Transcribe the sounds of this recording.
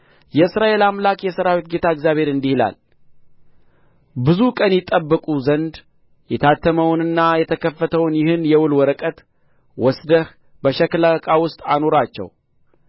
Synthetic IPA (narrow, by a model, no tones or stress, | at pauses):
jɛɨsɾaʔe̞lamlakʼjɛsəɾawit̪̚ɡe̞t̪ʰaɨɡzjaβhe̞ɾɨnd̪ihɨla̰l | bɨzukʼənjɪt̪ʼːəbːəkʼuzənd̪ | jɛt̪ʰat̪ʰːəməwnɨnːajɛt̪ʰəkʰəfːət̪ʰəwnjɪhɨnjɛwʊlwɔɾəkʼət̪ | wɔsd̪əh | bəʃɛklakʼawʊst̪ʼano̞ɾat͡ʃːɛ̰w